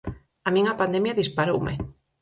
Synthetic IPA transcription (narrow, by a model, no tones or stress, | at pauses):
amĩŋapand̪emjaðispaɾowmḛ